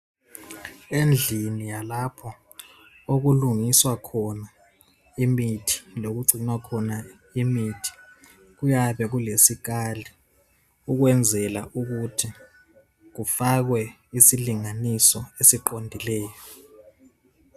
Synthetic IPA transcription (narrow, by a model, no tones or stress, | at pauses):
end͡ɮʱinijalapʰɔ | ok̬uluŋiswakʰɔna | imitʰi̥lok̬uɡ͡ǀʱinwakʰɔna | imitʰi̥ | k̬ujaɓɛk̬ulesik̬ali | uk̬wɛnd͡zʱɛlaʔuk̬utʰi | k̬ufak̬wɛ | isiliŋanisɔesiǃondʱilɛːjɔ